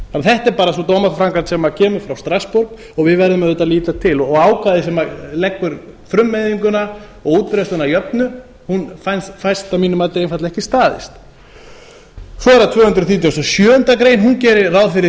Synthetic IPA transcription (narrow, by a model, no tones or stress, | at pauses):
fanθɛht̪ɛɾpaːɾasɔt̪owmafɾaŋkat̪sɛmacʰɛːmʏɾ̥fɾawst̪ɾaspoɾk | ɔɣvɪðvɛɾðʏmɛðɛt̪ːaliːt̪at̪ʰɪlɔɣaːwkvaðɪsɛmalɛkvʏɾfɾʏmːɛjðiŋkʏna | ɔɣuːt̪̚pɾɛst̪ʏnajœpnʏ | hunfajnst̪fajst̪amiːnʏmat̪lɪejnfaɾt̪laɛhcɪst̪aːðɪ̰st̪ | sɔɛɾat̪ʰvœːhʏnt̪ɾʏθiːt̪jawst̪ɔsjœːʏnt̪akɾeːjnɦuncɛːɾɪraːwðfɪɾɪ